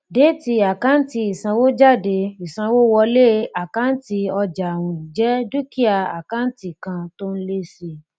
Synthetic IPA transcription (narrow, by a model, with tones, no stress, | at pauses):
de˨˦ti˧a˨ka˦n̩˦ti˧i˨sã˧wo˦d͡ʒa˦˨de˧i˨sã˧wo˦wɔ˧le˦˨a˨ka˦n̩˦ti˧ɔ˧d͡ʒa˨wũ˨d͡ʒɛ˦du˦ki˦a˧a̰˨ka˦n̩˦ti˨kã˧to˦n̩˦le˦si˧